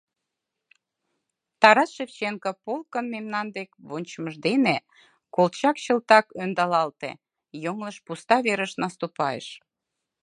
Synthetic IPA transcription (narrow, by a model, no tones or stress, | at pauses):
t̪ɑɾɑsʃeft͡ɕeŋkəpolkənmemnɑnd̪ekβonʲt͡ɕəməʒd̪ene | kolt͡ɕɑkɕə̆lt̪ɑkønd̪ɑlɑlt̪ḛ | joŋləʃpust̪ɑβeɾəʃnɑst̪upɑjḛʃ